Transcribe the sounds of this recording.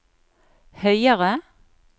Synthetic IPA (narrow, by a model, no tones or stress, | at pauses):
hœʏəʁə